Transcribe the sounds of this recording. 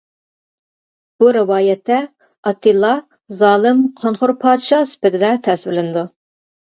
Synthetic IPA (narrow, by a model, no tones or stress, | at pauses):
b̥uɾɪwɑːjɛt̪ːɛ | ɑt̪ːɨlˠːɑ | zɑːlˠɨmqʰonχʊɾpʰɑːd̪ʃɑsy̥pɪt̪ʰɪd̪ɛt̪ʰɛsvɪlɪnɪd̪u